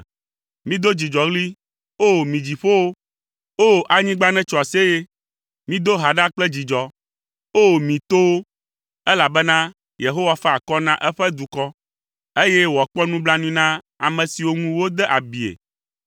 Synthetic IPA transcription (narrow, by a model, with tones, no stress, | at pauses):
mĩ˦d̪o˦d͡ʑi˨d͡ʒɔ˨ɣli˦ | o˦˨mĩ˨d͡ʑi˨ɸo˦wo˦ | o˦˨ʔa˨ɲĩ˦ɡ͡ba˦nɛ̃˦t͡ʃɔ˨a˨se˦je˦ | mĩ˦d̪o˦ɦa˨ɖa˦k͡plɛ˦d͡ʑi˨d͡ʒɔ˨ | o˦˨mĩ˨t̪o˦wo˦ | ɛ˦la˨bɛ˦nã˦ | je˨ɦo˦wa˦fɛ˦a˨kɔ˦nã˦ʔɛ˦ɸɛ˦d̪u˨kɔ˦ | e˦je˦wɔ˨k͡pɔ˦nũ˦bla˦nũ˦nã˦ | a̰˨mɛ̃˨si˨wo˦ŋũ˦wo˦d̪ɛ˦ʔa˨bi˨ḛ˨